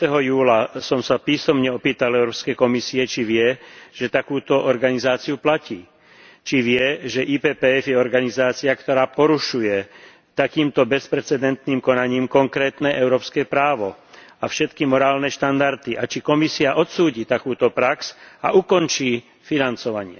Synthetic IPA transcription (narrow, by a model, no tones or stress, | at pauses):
t̪ɛɦɔjuːlasɔmsapiːsɔmɲɛɔpiːt̪alɛʊɾɔːpskɛjkɔmisiɛt͡ʃiʋɪɛʒ̥ɛt̪akuːt̪ɔʔɔɾɡanizaːt͡siuplaciː | t͡ʃiʋɪɛʒɛʔiːpɛːpɛːɛfjɛɔɾɡanizaːt͡siakt̪ɔɾaːpɔɾuʃujɛ | t̪akiːmt̪ɔbɛspɾɛt͡sɛd̪ɛnt̪niːmkɔnaɲiːmkɔŋkɾɛːt̪nɛʔɛʊɾɔːpskɛpɾaːʋɔ | afʃɛt̪kimɔɾaːlnɛʃt̪and̪aɾt̪iʔat͡ʃikɔmisiaʔɔt̪suːɟiːt̪akuːt̪ɔpɾaksa̰ʔukɔnt͡ʃiː | finant͡sɔʋaɲɪɛ̰